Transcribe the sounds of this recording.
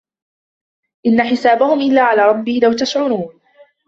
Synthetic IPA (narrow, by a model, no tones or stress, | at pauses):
ʔɪnːaħɪsaːbahʊmʔɪlːaːʕalaːɾˤɑbːɪlawt̪aʃʕʊɾuːn